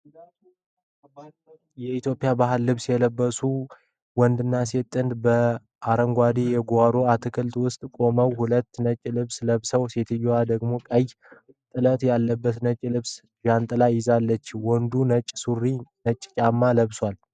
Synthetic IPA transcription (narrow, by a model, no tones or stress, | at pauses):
jɛit̪ʰjo̞pʼijabaɦɨlːɨβsjɛləbːəsu | wɔnd̪ɨnːaset̪ʼːɨnd̪bə | aɾəŋɡʷad̪ijɛɡaɾoat̪ʰɨkʰɨlt̪wʊst̪ʼkʼo̞məwhulət̪ːnət͡ʃʼːlɨβsləβsəwset̪ʰɨjːwad̪əɡmo̞kʼəj | t̪ʼɨlət̪jalːəbːət̪nət͡ʃʼːlɨβs | jant̪ʼɨlajɪzalːət͡ʃːwɔnd̪unət͡ʃʼːsurːinət͡ʃʼːt͡ʃʼamːaləβswal